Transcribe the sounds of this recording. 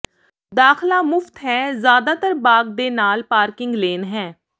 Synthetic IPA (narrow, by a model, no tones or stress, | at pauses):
d̪aːxlaːmʊft̪ɦɛːzjaːd̪aːt̪əɾbaːɡ̚d̪eːnaːlpaːɾkɪŋɡleːnɦɛː